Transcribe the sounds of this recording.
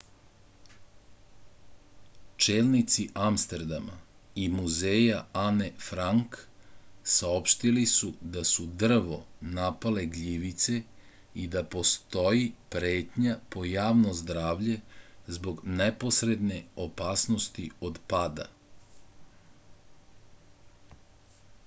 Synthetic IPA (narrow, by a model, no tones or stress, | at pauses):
t͡ʃeːlnit̪siʔamst̪eɾd̪ama̰ | imuzeːjaane̞fɾaŋk | sao̞pʃt̪ilisud̪asud̪r̩ʋo̞napale̞ɡʎiʋit̪se̞ | id̪apo̞st̪o̞jipɾe̞ːt̪ɲapo̞jaːʋnozd̪ɾaːʋʎe̞zbo̞ɡneposɾe̞d̪ne̞o̞paːsno̞st̪io̞d̪paːd̪a̰